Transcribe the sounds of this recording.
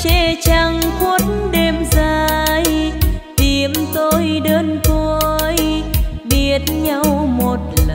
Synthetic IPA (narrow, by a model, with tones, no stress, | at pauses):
t͡ɕɛ˧˩t͡ɕa˧ŋku˦ət̚nɗe˧mzaː˧jt̪i˨˩əmt̪o˧jɗəː˧nt̪ʰo˧jɓi˧˩ət̚ɲa˧wmo˨˩t̚l